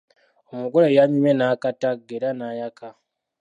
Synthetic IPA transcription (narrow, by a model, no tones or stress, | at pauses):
omuɡolejaɲumenakataɡeɾanajaka